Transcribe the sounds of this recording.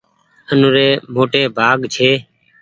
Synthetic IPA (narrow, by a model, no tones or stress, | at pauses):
ənuːɾeːmoːʈeːbʱaːɡt͡ʃʰeː